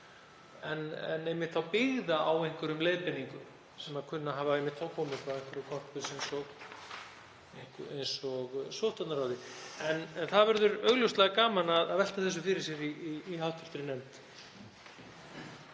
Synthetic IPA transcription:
ɛnɛ̰nejmɪht̪θawpɪɣðaʔawejŋ̥kvʏɾʏmleːjðpɪnːiŋkʏm | sɛmaðkʰʏnːaɦavaɛjmɪt̪θawkʰɔːmɪkvaðejŋ̥kvʏɾʏkʰɔr̥pɪsejnsɔɣ | ejŋ̥kejnsɔɣsɔːht̪at̪naɾawðɪɛnɛnθaðvɛɾðʏɾœɣlœwst̪laɣakaːmanaðaðvɛl̥t̪aθɛs̬ːʏfɪɾɪɾ̥sjɛɾiiːhawht̪ʏ̥ft̪ɾɪnɛmt̪

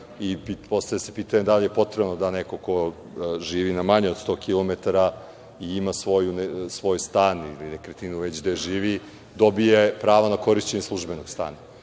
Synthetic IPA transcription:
ipipo̞st̪ajasepiːt̪aɲed̪alije̞po̞t̪ɾebnod̪aneko̞ko̞ | ʒiːʋinamaɲeod̪st̪o̞ːkilˠo̞met̪aɾa | iimasʋo̞junsʋo̞jst̪aːnḭlinekɾet̪inuʋe̞t͡ɕd̪eʒiːʋi | d̪o̞bijepɾaːʋonako̞ɾiʃt͡ɕeɲeslˠuʒbe̞noɡ̥st̪a̰ːna

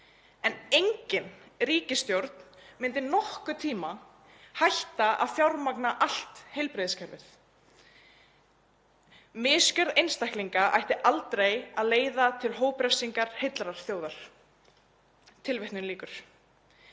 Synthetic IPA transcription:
ɛnejɲcɪnɾiːcɪst̪jowɾt̪nmɪnt̪ɪnɔhkʏt̪ʰiːma | hajht̪aa̰ðfjawɾmaknaʔal̥t̪hejlpɾɪðskʰɛɾvɪθ | mɪːscœɾðejnst̪ajhkliŋkaʔa̰jht̪ɪʔalt̪ɾejaðleːjðat̪ʰɪlɦoːwpɾɛfsiŋkaɾ̥hejt̪lɾaɾ̥θjoːwðaɾ̥ | t̪ʰɪlvɪht̪nʏnliːkʏɾ̥

